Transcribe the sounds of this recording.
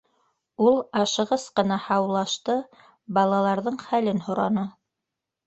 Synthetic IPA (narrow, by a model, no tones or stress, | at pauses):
ulˠɑʃɤ̆ʁɤsqɤ̆nɑhɑwlˠɑʃt̪ɤ | bɑlˠɑlˠɑɾðɤɴχælɘnhŏɾɑnɤ